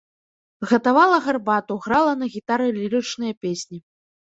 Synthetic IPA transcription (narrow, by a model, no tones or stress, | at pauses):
ɣɐt̪avalˠɐɣarbat̪uɣɾalˠɐnɐɣʲit̪aɾɨlʲiɾɨt͡ʂnɨjɐpʲesʲnʲi